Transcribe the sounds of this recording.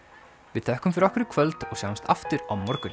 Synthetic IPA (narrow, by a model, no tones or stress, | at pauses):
vɪðθʰɛːhkʏmfɪɾɔhkʏɾɪkʰvœlt̪ɔɣsjawmst̪ʰa̰ft̪ʏɾawmɔɾkʏn